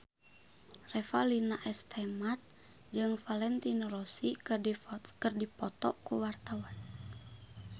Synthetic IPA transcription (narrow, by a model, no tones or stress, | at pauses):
rɛfalinaʔɛst̪ʰɛmat̪̚ | d͡ʒɨŋfalɛnt̪inrosi | kɨrdipɔt̪ɔʔkuwart̪awan